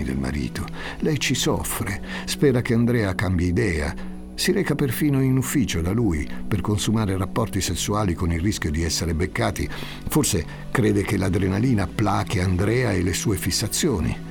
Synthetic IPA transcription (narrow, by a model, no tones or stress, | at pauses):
id̪ḛlma̰ɾḭːt̪o | lɛjt͡ʃisɔfɾe | spɛːɾakeand̪ɾɛːakambjaid̪ɛːa̰ | siɾɛːkaperfiːnoinufːiːt͡ʃod̪aluːjperkonsumaːɾerapːɔrt̪isesːuaːlikonilrːisk̟jod̪iɛsːeɾebekːaːt̪i | forse | kɾeːd̪ekelad̪ɾenaliːnapːlaːkiand̪ɾɛːaelesuːefisːat̪sːjoːnḭ